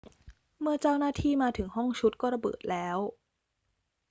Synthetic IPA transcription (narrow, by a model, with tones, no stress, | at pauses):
mɯ˥˩ɐt͡ɕa˥˩wnaː˥˩t̪ʰiː˥˩maː˧t̪ʰɯ˩˦ŋhɔ˥˩ŋt͡ɕʰu˦˥t̪̚kɔː˥˩ɾa˧bɤ̰ː˨˩t̪̚lɛː˦˥w